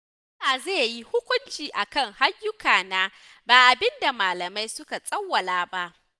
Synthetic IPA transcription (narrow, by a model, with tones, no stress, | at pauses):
ɐ˦aː˨zeː˦˨ji˦hʊ˦kʷʊ˦nt͡ʃiː˨ʔa˨kɐ˦˨ŋha˦jːʊ˦kaː˨naː˦ | baː˨ʔa˨bɪ˦nda˨maː˨lɐ˨ma˦jsʊ˦ka˨sʼɐ˦wːɐ˨laː˨˦ba˦ʔ